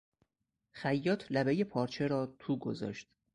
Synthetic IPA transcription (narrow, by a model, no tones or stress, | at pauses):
xæjːɒːt̪ʰlæbejepʰɒːɾt͡ʃʰe̞ɾɒːt̪ʰuːɡo̰zɒ̰ːʃt̪